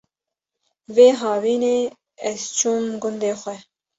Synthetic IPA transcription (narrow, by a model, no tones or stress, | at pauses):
veːɦɑːviːneː | ɛzt͡ʃʰumɡʊnd̪eːxʷɛ